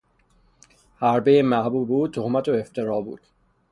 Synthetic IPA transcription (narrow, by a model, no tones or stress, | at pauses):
hæɾbejemæhbuːbbbuːd̪̚t̪ʰohmæt̪ʰoeft̪ʰeɾɒːbṵːd̪̥